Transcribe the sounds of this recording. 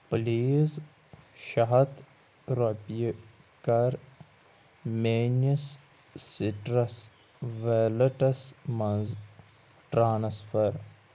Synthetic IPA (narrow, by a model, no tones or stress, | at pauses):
pliːz | ʃɐɦɐt̪ | ɾopi | kɐɾ | meːnəsː | iʈɾɐs | ʋeləʈɐsmɐ̃nz | ʈɾaːnsfəɾ